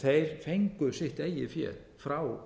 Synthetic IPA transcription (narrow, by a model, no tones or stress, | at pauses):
θejɾ̥fejŋkʏðsɪht̪eːjɪfjɛ̰ːl | fɾaw